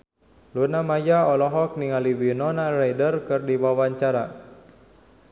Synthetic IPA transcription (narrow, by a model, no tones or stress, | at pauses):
lunamajaɔlɔɦɔk̚niŋaliwinɔnarajdərkɨrdiwawaɲt͡ʃaɾa